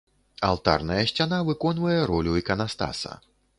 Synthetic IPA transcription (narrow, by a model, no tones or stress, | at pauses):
a̰lˠt̪a̰rnɐjɐɕʲt͡sʲanavɨkɔnvɐjɛɾɔlʲuikɐnast̪a̰sɐ̰